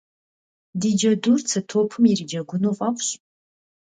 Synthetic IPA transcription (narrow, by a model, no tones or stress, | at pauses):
did͡ʒadurt͡sʰatʰopʰɨmirid͡ʒaɡʷʊnofʼakʷʰɕʼ